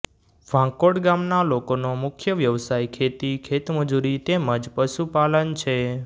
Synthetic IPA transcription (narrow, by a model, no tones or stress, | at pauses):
ʋʱãkoɽɡamnalokonomʊkʰjəʋjəʋsajkʰet̪ikʰet̪məd͡ʒuɾit̪eməd͡ʒpəʃupalənt͡ʃʰe